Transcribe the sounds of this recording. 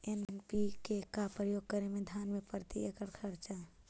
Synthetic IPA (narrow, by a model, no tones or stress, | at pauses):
ennpikekapɾəjoɡ̚kəɾemed̪ʱanmepəɾt̪ḭekəɾkʰəɾt͡ʃa